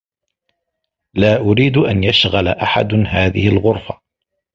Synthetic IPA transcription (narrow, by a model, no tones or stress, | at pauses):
laːʔʊɾiːd̪ʔanjaʃɣalaʔaħa̰d̪ɦaːðɪhɪlɣʊɾˤfa